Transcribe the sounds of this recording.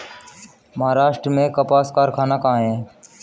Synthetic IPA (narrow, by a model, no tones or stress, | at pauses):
məɦaːɾaːʃʈɾəmẽːkəpaːskaːɾkʰaːnaːkaːɦẽː